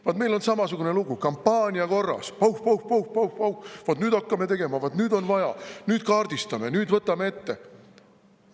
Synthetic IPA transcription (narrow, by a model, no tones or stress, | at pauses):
vɑt̪me̞jlo̞nsɑmɑsuɡ̥une̞luɡukɑmpːɑːnʲiɑko̞rːɑ̰spɑwhpɑwhpɑwhpɑwhpɑwhvɑt̪nyːd̪ɑkːɑme̞t̪e̞ɡ̥e̞mɑvɑt̪nyːd̪o̞nvɑjɑ̰nyːd̪̥kɑːrd̪̥ist̪ɑme̞nyːd̪vɤt̪ːˑɑme̞et̪ːe̞